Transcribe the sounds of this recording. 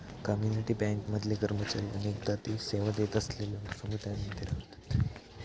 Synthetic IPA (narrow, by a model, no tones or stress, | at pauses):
kəmjuniʈiːbɛ̃ŋkməd̪ʱljekəɾmət͡ɕaɾiːənek̚d̪at̪iseʋad̪et̪əslelosumut̪anid̪iɾat̪ḁt̪